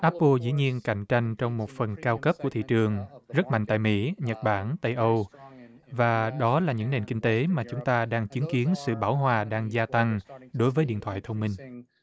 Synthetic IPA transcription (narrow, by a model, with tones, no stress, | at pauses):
ʔaː˦˥p̚ːo˧zḭ˧˥ɲi˧ənka˧˩jŋ̟t͡ɕa˧jŋ̟t͡ɕɔ˧wŋ͡mmo˨˩t̚fə˨˩nkaː˧wkə˦˥p̚ku˧˩ət̪ʰḭ˧˨t͡ɕɨ˨˩əŋzə˦˥t̚ma̰˧˨ŋ̟t̪a̰ː˧˨jmḭ˧˥ɲə˨˩t̚ɓaː˧˩nt̪ə˧jʔə˧w | vaː˨˩ɗɔ˨˦laː˨˩ɲɨ̰˧˥ŋne˨˩nkï˧ŋ̟t̪e˨˦maː˨˩t͡ɕʊ˨˦ŋ͡mt̪aː˧ɗaː˧ŋt͡ɕi˨˦ənki˨˦ənsɨ̰˧˨ɓaː˧˩wɦwaː˨˩ɗaː˧ŋzaː˧t̪a˧ŋɗo˨˦jvəː˨˦jɗḭ˧˨ət̪ʰwa̰ː˧˨jt̪ʰə˧wŋ͡mmï˧ŋ